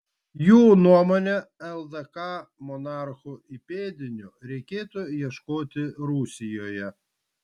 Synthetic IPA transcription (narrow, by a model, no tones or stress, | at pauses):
juːnuɔmonʲɛɛlˠd̪ɐkɑːmɔnɑˑɾxʊɪpʲeːd̪ʲɪnʲʊɾʲɛɪkʲeːt̪ujiɛʃkoːt̪ʲɪɾusʲɪjoːjɛ